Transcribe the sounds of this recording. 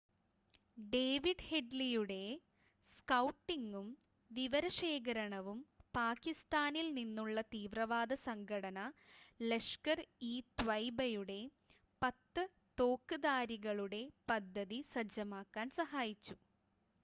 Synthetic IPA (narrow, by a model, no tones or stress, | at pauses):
ɖeːʋiɖhe̞ɖlijuɽe̞ | skɐwʈːiŋɡum | ʋiʋɐɾɐʂe̞ːɣɐɾɐɳɐʋumpaːkist̪aːnilninːuɭːɐt̪iːʋrɐʋaːd̪ɐsɐŋɡʰʱɐɽɐnɐle̞ʂkɐriːt̪ʋɐjbɐjuɽe̞ | pɐt̪ːɨ | t̪oːkːɨðaːɾiɣɐɭuɽe̞pɐd̪ʱːɐðisɐd͡ʑɐmaːkːaːnsɐɦaːjit͡ɕːu